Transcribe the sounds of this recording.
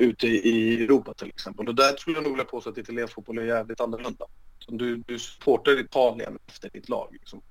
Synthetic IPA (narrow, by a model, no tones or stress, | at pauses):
ʉ̟ːt̪əʔɪɪɛɾuːpat̪ʰɪlʔɛ̰ksɛmpəlɔd̪æɾt̪ʰɾkɵlːəjanuːɡvɪljapʰoːsɛat̪ɪt̪ʰalɪɛnsfuːt̪̚bɔlɛjæːvlɪt̪anːɔɭɵnd̪asɔmd̪ɵd̪ɵsɵ̥pʰoːʈaɪt̪ʰɑːlɪə̰nɛft̪əɖɪt̪ʰlɑ̰ːɡlɪksɔm